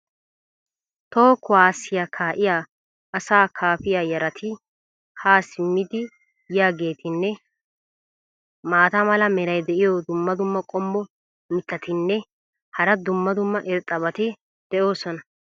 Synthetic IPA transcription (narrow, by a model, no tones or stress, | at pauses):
t̪oːkʊwaːsːɪjaːkʰaːʔɪjaː | ʔɐsaːkʰaːfɪjaːjɐɾɐt̪ʰɪ | haːsɪmːɪd̪ɪ | jaːɡe̞ːt̪ʰɪnːɛ | maːt̪ɐmɐlɐmɛɾɐjd̪ɛʔɪjɔd̪ʊmːɐd̪ʊmːɐkʼɔmːɔ | mɪt̪ːɐt̪ɪnːɛ | hɐɾɐd̪ʊmːɐd̪ʊmːɐʔɪɾt̪ʼːɐβɐt̪ɪ | d̪̥ɛʔo̞ːsɔnɐ